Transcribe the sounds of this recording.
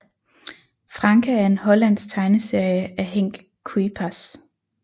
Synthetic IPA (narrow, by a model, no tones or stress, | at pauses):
fʁɑ̈ŋkʰææɐe̝nɦɒ̽læn̰st͡sʰɑ̈ɪnəse̝ɐ̰jəʔæɦeŋ̰ɡ̥ | kʰuipʰæs